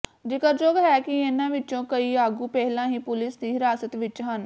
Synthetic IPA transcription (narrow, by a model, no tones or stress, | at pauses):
d͡ʒɪkəɾd͡ʒoːɡɦɛːkɪenãːʋɪt͡ʃõːkəiːaːɡuːpɛɦlãːɦiːpʊlɪsd̪iːɦɪɾaːsət̪ʋɪt͡ʃɦən